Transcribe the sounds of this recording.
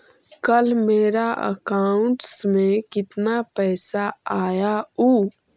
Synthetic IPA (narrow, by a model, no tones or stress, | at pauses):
kəlmeːɾaə̰kaːʊ̃ɳʈsmẽkɪt̪napɛːsaaːjauː